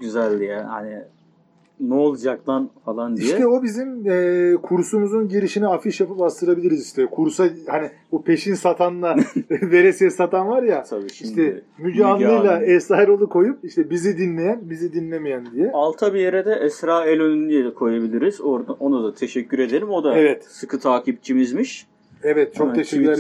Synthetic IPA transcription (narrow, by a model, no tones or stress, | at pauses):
ɟyzælʲd̪ijɛha̰nɪ | nuolˠd͡ʒak̚lanfalˠand̪ijʃɛɛobizimɛːkʰuɾsumuzunɟiɾiʃiniafiʃjapɯpast̪ʰɯɾabilʲiɾiziʃt̪ʰɛkʰuɾsahani | bopʰe̞ʃinsat̪ʰanlˠave̞ɾesɛsat̪ʰanvaɾjat̪ʰabiʃiʃdt̪ɛmyɟaːnˠɯjlˠaɛsaɾolˠukʰo̞jup̚iʃt̪ʰɛbizid̪inlʲe̞jænbizid̪inlʲemijænd̪ijɛalˠt̪ʰabijeɾed̪ɛʔɛsɾaːɛlʲønynyjɛkʰo̞jabilʲiɾizoɾd̪aonud̪at̪ʰeʃɛcːyɾe̞d̪elʲimo̞d̪aevɛt̪sɯkʰɯt̪ʰaːcʰip̚t͡ʃʰimizmiʃ | ɛvɛt̪̚t͡ʃʰokt̪ʰeʃɛcyɾɾ